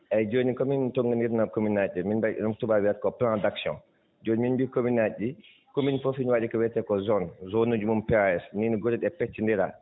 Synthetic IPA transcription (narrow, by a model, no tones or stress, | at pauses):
ʔɛd͡ʒoːnikɔmintoŋɡaniɾnakominaɗɛminbaʔɛ̰numtubawiatkɔplãndaksjɔ̰̃n | d͡ʒoːniminbikominaɗi | kominfɔfinwaɗikɔwɛtɛkɔzɔnzonud͡ʒumumpɛaɛsniniɡoɾɛɗɛpɛtːindɛɾa̰